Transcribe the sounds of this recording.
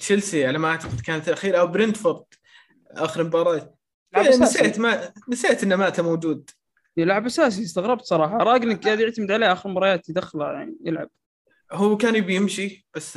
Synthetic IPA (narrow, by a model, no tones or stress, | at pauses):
ʃɪlsiʕalamaʔaʕt̪ḁqɪd̪kaːnat̪lʔaxiːɾʔawbɾɪnt̪fɑɾˤt̪ˤ | ʔaːxɪɾmbɑɾˤɑːt̪ | asaʔat̪manɪsaːʔat̪ɪnːamaːt̪amoːd͡ʒuːd̪̚ | lːʊʕabʔasaːs̬ijɪst̪aɣɾˤɑb̚t̪sˤɑɾˤɑːħɑɾˤɑːɡɪlɪkːjaːd̪jɪʕt̪amɪd̪ʕaleːʔaːxɪɾmbɑɾˤɑjaːt̪jd̪axːala̰ja̰ʕnijɪlʕa̰b̥̚ | huwːkaːnjɪbjɪmʃib̥asː